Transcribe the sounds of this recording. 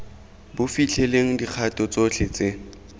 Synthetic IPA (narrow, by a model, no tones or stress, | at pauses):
bʊfit͡ɬʰɛleŋ̩dik͡xʰatʼɔt͡sot͡ɬʰɪt͡se